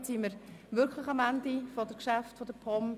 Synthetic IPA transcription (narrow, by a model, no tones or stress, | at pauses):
tsiməɾʋʏɾkʰləχɑmændifɔd̥əkʃæftfɔd̥əpʰɔm